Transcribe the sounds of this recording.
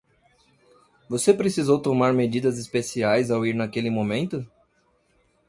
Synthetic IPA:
vosepɾesizowt̪omaɾmed͡ʒid̪ɐzispesiajzawiɾnɐkelɪmõmẽnt̪ʊ

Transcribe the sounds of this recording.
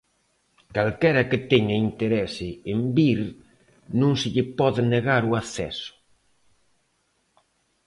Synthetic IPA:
kalkɛɾɐkɪt̪ɛɲaint̪eɾɛsɪembiɾ | nũŋsɪʎɪpɔðɪneɣaɾuaθɛ̰sʊ̥

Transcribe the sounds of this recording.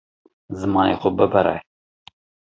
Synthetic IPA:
zɨmɑːnḛːxʊbəbəɾɛ̰

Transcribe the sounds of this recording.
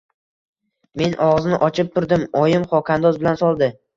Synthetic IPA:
me̞nʔɒʁznɪʔɒt͡ʃʰɪp̚t̪ʰʊɾd̪ɪmɒjɪmχɒkʰand̪ɒzbɪlansɒlˠd̪ɪ

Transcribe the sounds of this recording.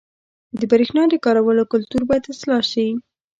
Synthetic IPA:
d̪əbaɾexnɑd̪əkɑɾawəlokʊlt̪uɾbɑjad̪ɪslɑʃawi

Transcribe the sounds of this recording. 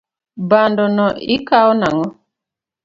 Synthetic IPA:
bandɔnɔʔḭkaɔnaŋɔ

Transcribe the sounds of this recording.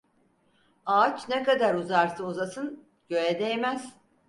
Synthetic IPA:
aːt͡ʃʰnɛkad̪aɾuzaɾsauzasɯn | ɟ̥ø̞jɛd̪ejemæz̥

